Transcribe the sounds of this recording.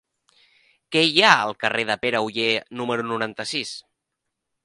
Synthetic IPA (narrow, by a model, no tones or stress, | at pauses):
kɛjaəlˠkəreðəpeɾəuʎenuməɾunuɾant̪əsis